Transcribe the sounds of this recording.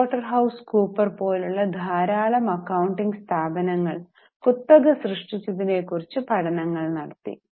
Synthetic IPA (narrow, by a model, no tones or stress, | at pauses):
oːʈːɐrɦɐwskuːpːɐrpo̞ːluɭːɐd̪ʱaːɾaːlɐmɐkːɐwuɳɖiŋɡst̪ʰaːbɐnɐŋːɐɭ | kut̪ːɐɣɐsrɨʂʈit͡ɕːɐðine̞ːkurit͡ɕːɨpɐɽɐnɐŋːɐɭnɐɽɐt̪ːḭ